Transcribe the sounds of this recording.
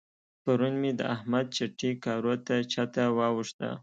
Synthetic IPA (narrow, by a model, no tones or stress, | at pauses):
paɾunmed̪ə̰ahmad̪̚t͡ʃaʈikɑɾot̪at͡ʃɑt̪awɑwuʂt̪a̰